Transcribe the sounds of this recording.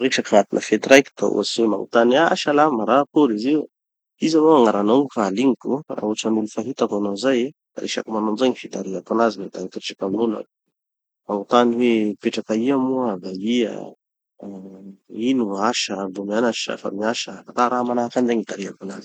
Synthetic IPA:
ɾeʈ͡ʂakaŋat̪inəfet̪ɾajki̥t̪a̰ṵa̰siwema̰ŋṵt̪aniaʃalamaɾakoɾiziw | izamoaŋaɾanoŋfaːliŋikura̰ɦuʈ͡ʂanulufaɦit̪akanozaje | d̪̥a̰ɾeʃa̰kamanonzajɲifit̪aɾiapanazilat̪anit̪ɾit͡ʃʈ͡ʂakaminula̰ | maŋut̪aniwepeʈ͡ʂakaiamuad̪aiə̰ | inuaʃəbumianaʃa̰fa̰miaʃəat̪aɾamanaakanzaŋit̪aɾiapanazi̥

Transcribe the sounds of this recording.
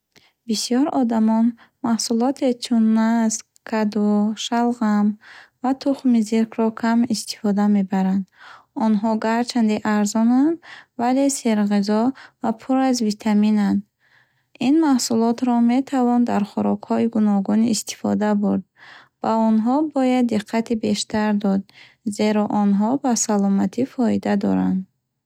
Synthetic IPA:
bisijɔɾɔd̪amɔn | mahsulɔt̪ʰet͡ʃʰunːas | kʰad̪uʃalʁamvat̪ʰuχmiziɾkʰɾɔkʰamist̪i̥fɔd̪ame̞baɾand̪ɔnɦɔɡaɾt͡ʃʰand̪iʔaɾzɔnand̪vale̞seɾʁizɔvapʰuɾazvit̪ʰaminand̪ | inmahsulɔt̪ɾɔme̞t̪ʰavɔnd̪aɾχɔɾɔkhɔiɡunɔɡuniːst̪i̥fɔ̰d̪abuɾd̪̚ | b̥aɔnɦɔbɔjad̪ːiqʰːat̪ʰibe̞ʃt̪aɾd̪ɔd̪̚ | ze̞ɾɔʔɔnɦɔbasalɔmat̪ʰifɔid̪ad̪ɔ̰ɾa̰nd̪

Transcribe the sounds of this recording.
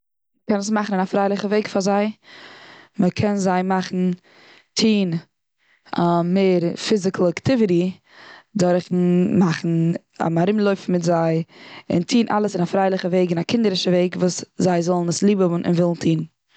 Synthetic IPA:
məkɛnəsmaχn̩ɪnafɾaɪlˠɪχəveɪkfazaɪ | məkʰɛnzaɪmaχn̩ | tʰiːn | ameːɾfɪzɪklˠaktɪvɪɾi | dɔɾχn̩maχn̩ | a̰maɾɪmlˠoʏfm̩mɪtzaɪɪ̰ntʰiːnʔa̰lˠəsɪnafɾaɪlˠɪχəveɪɡɪnakɪndəɾɪʃəveɪkvuːszaɪzɔlˠn̩əslˠiːbəʔɪ̰nvɪlˠn̩tʰiːnn̩

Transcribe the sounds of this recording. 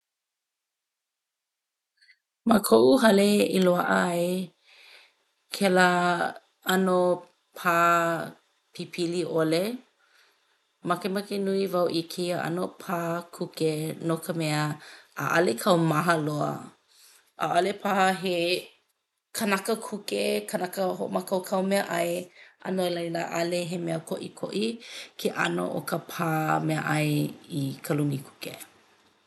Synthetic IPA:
makʰoʔuɦɐleiloaʔə̰e | kʰɛla | ɐno | pʰaː | pʰipʰiliʔole | mɐkemakenuivawʔikʰiəʔɐ̰nopʰaːkʰukenokʰəmɛəa̰ʔɐ̰lekʰɐwmaɦɐloə̰ | ʔa̰ʔɐlepʰahɐɦe | kʰɐnɐkəkʰukekɐnɐkəɦo̰ʔo̰makɐwkʰɐwmeɐʔɐjʔɐ̰noelɐjlaʔɐleɦemeəkoʔikʰo̰ʔikʰeʔɐno̰ʔo̰kəpʰaːmeɐ̰ʔɐjikʰɐlunikʰu̥kḛ

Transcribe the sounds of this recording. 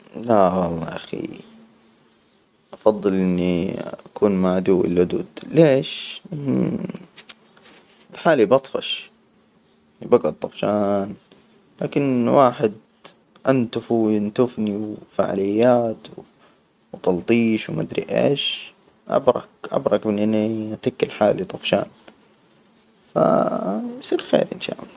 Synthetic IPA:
lawɑlˤːɑːʔaxḭ | ʔɑfɑðˤːɨlʔɪnːiʔakuːnmaʕad̪uːwɪ̰lʕʊd̪ṵːd̪leːʃʔɪnːḭ | bħaːlibɑt̪ˤfɑ̰ʃ | ɪnːibaɡʕʊd̪̚t̪ˤɑfʃaːn | la̰ːkɪnwʔaːħɪd̪ | ʔant̪ʊfujɪnt̪ʊfniwfa̰ʕa̰lɪjːaːt̪w | wt̪ˤɑlt̪ˤiːʃwma̰d̪ɾḭʔḛːʃ | ʔa̰bɾˤɑ̰kʔa̰bɾˤɑkbɪnʔɪnːiʔat̪akːɪlħaːlit̪ˤɑfʃa̰ːn | fa̰jsˤiːɾxḛːɾʔɪ̰nʃa̰ːʔl

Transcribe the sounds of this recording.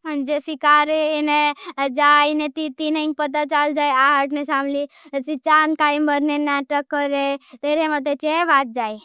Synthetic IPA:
ɦənd͡ʒesikaɾened͡ʒaːjnet̪it̪ineĩŋɡ̚pət̪̬at͡ʃald͡ʒaːjaɦəʈnesaːmli | sit͡ʃankaːimbəɾnenaːʈəkːəɾet̪eːɾemət̪̬et͡ʃeʋaːt̪̚d͡ʒaːj

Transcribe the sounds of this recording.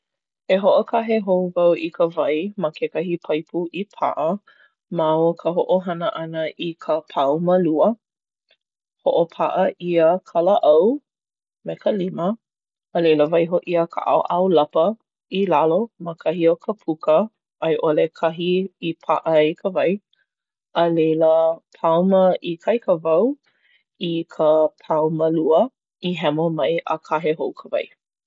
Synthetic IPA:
eɦoʔokʰɐɦeɦowvɐwʔikʰəvɐjməkʰekɐɦipʰɐjpʰuʔipʰa̰ʔə | maokʰəɦoʔoɦɐnəʔɐnəikʰəpʰawmɐluə | hoʔopʰaʔɐʔiəkʰɐləʔɐw | mekʰəliməː | lejləvɐjɦoʔiəkʰə̰ʔa̰wʔawlɐpə | ilaloməkʰɐhiokʰəpʰukʰə | ʔːjʔolekʰɐɦiːpʰa̰ʔəikʰəvɐj | əlejləpʰawməʔikʰɐjkʰəvɐw | ikʰəpʰawməluə | iɦɛmomɐjʔə̰kʰaɦeɦowkʰəvɐ̰j

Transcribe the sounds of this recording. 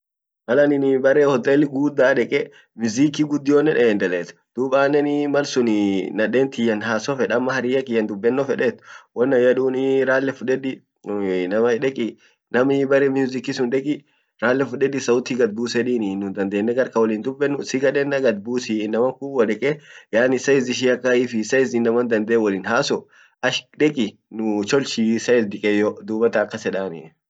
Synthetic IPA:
mɐlɐnɪnɪbɐrːɛhɔt̪ʼːɛlːɪɡuːd̪aːᶑɛkʼɛ | mʊzikːiɡʊd̪ːɪjonːɛnʔɛnd̪ɐlɛːt̪ | d̪̥uːbaːnːɛnɪmɐlsʊnɪnɐᶑeːnt̪ɪjɐnɦaːsɔfɛᶑɐmːɐhɐɾɪːjɐkɪjɐnd̪ʊbːɛnːɔfɛᶑɛt̪ːwɔnːɐjɐᶑuːnɪɾaːlːɛfʊᶑɛd̪ɪ | nɐmɐᶑɛkʼɪ | nɐmɪbɐɾɛmjuːzɪkːisʊnᶑɛkʼɪ | ɾaːlːɛfʊᶑɛd̪ɪsɐʊt̪ːiɡɐd̪̚buːsɛᶑiːnɪnːʊnd̪ɐnd̪eːnːɛɡɐɾkɐwɔliːnd̪ʊbːɛnːʊsɪɡɐᶑɛnːɐɡɐd̪̚buːsinːɐmɐŋkuːwɐᶑɛkʼɛjaːnɪsɐɪzɪʃ̬iɐkːɐɪfɪsɐɪzɪnːɐmɐnd̪ɐnd̪ɛɛwɐliːnhaːsɔ | ɐʃᶑɛkʼɪnʊt͡ʃɔlt͡ʃisɐɪsd̪ɪkʼɛjɔd̪uːbɐt̪ɐːkːɐsɛᶑaːnɪ̰

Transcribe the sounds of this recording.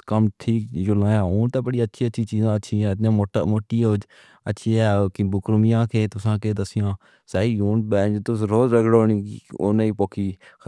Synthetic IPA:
kəmʈʰiːkd͡ʒolãːjaːɦoːnt̪aːbəɽiːətːʃʰiːətːʃʰiːt͡ʃiːzãːəːʃʰiãːɪt̪jãːmoːʈamoːʈːiːoːd͡ʒ | ətːʃʰiːɛːkɪbʊkɾʊmɪjãːkʰeːt̪ʊsãːkeːd̪əsɪjãː | saːiːɦuːnbɛːd͡ʒt̪ʊsɾoːzɾəkɽoːniːio̰neiːpoːkʰiː

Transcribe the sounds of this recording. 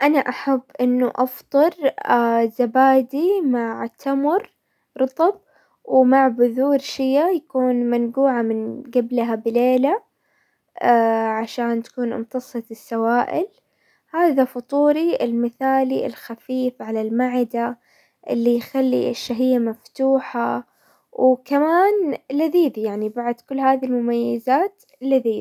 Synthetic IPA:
ʔanaʔaħabːʔɪnːuʔɑft̪ˤɨɾ | zabaːd̪imaʕt̪ʰːamʊɾ | ɾˤɑt̪ˤɑb̚ | wmaʕbʊðuːɾʃɪjːajakuːnmanɡuːʕamɪnɡablɦabɪleːla | ʕaʃaːnt̪ḁkuːnʔɪ̰mt̪ɑsˤɑt̪ɪsːawaːʔɪ̰l | haːðafʊt̪ˤuːɾiɪlmɪθaːliɪ̰lxafiːfʕalalmaʕɪd̪a | ʔɪ̰lːijxalːḭɪʃːaɦɪjːamaft̪uːħa | wkamaːnlaðiːd̪ijaʕnibaʕd̪kʊlːhaːðilmʊmajːazaːt̪ | laðiːd̪

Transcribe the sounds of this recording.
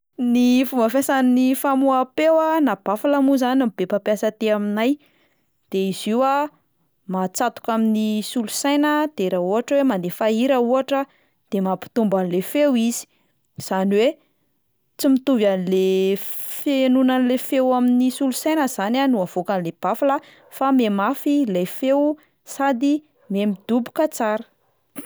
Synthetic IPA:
nifumbafasaninifamuapewanab̥afalamuzanamibepapjasət̪eaminaj | d̪̥eiz̥iwa | mat͡sat̪u̥kaminisulusajnəd̪̥eɾauɦaʈ͡ʂəwemand̪efaiɾauaʈ͡ʂə | d̪̥emapi̥t̪umbanilefewiz̥i̥ | z̥aniwe | t͡simit̪uvjanle | fenunanilefewaminisulusajnəz̥ananuav̥okanleb̥afalə | famemafilejfew | sad̪i | memid̪ubu̥kət͡saɾə

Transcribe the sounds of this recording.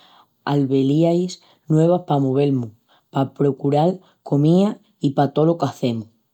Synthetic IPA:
a̰lβe̞liajs | nwe̞β̞ahpamoβ̞e̞lmu | papɾo̞kuɾal | kʰo̞mĩa | ipat̪o̞lokaθe̞mu

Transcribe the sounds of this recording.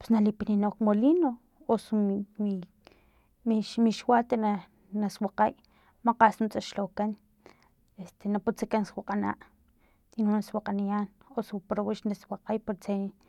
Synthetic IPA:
pe̥snalipininokmolino | osumi | miʃmiʃwat̪ena | naswaqaj | maqaʔsnut͡sʼat͡ʃlokan | est̪enaput͡sakanswaqʼana̰ʔ | inunaswaqʼanijaːnosupɾowiʃnaswaqʼajpoɾt͡se

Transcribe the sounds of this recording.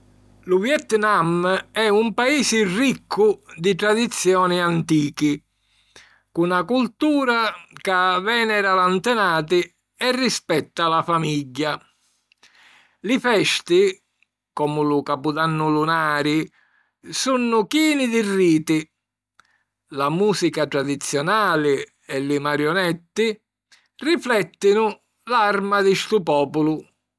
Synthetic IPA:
luvjɛt̪namɛumpaiːsɪrikʰːʊd̪it̪ɾad̪it̪sːjɔːniant̪iːki | kunakult̪uːɾakavɛːnɛɾalant̪ɛnaːt̪i | ɛrːispɛt̪ːalafamiʎːa | lɪfɛst̪i | kɔːmʊlʊkapud̪anːʊlunaːɾɪ | sunːʊkiːnid̪irːiːt̪i | lamuːsikat̪ɾad̪it̪sːjɔnaːlɪ | ɛlɪmaɾjɔnɛt̪ːi | riflɛt̪ːinʊ | larmad̪ɪst̪upɔːpʊlʊ

